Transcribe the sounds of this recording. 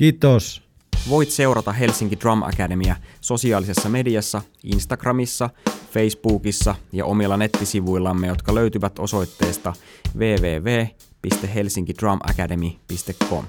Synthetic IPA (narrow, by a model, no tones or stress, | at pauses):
kiːt̪os | ʋo̞jt̪se̞wɾɑt̪ɑɦe̞lsiŋkidrɑmʔɑ̰kæde̞miæso̞siɑːlisesːɑme̞diɑsːɑ | ḭnst̪ɑɡ̥rɑmisːɑfe̞jsb̥uːkisːɑjɑ̰ʔo̞milːɑne̞t̪ːisiʋujlːɑmːejo̞t̪kɑlø̞ɥt̪yʋæt̪o̞so̞jt̪ːe̞ːst̪ɑʋe̞ːʋe̞ːʋeː | pist̪eɦe̞lsiŋkid̥rɑmʔɑ̰kæde̞mipist̪ekʰːo̞̰m